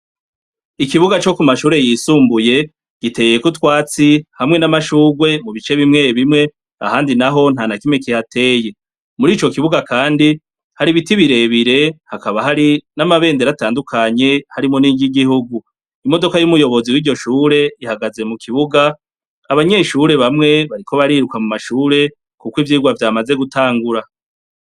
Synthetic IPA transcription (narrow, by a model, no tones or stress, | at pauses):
ikiβuɡat͡ʃo̞kumaʃuːɾe̞jisuːmbuje̞ | ɡ̥ite̞je̞kutwaːt͡sihamŋe̞namaʃuːɡwe̞muβit͡ʃe̞βimŋeːβimŋe̞ | a̰haːndinaɦo̞n̥hanakimŋekihatʰe̞ːje̞ | muɾiːt͡ʃo̞kiβuɡakaːndi | haɾiβitiβiɾe̞βiɾe̞hakaβaɦaɾinamaβe̞ːnde̞ɾataːndukʰaɲe̞haɾimo̞niɟiɡihuɡu | imo̞do̞kajumujo̞βo̞ziwiːɾɟo̞ʃuːɾe̞ihaɡaze̞mukʰiβuɡa | aβaɲe̞ʃuɾe̞βamŋe̞βaɾikʰo̞βaɾiːɾukamumaʃuːɾe̞ | kukivjiːɡwavjaːmaze̞ɡutʰaːŋɡuɾa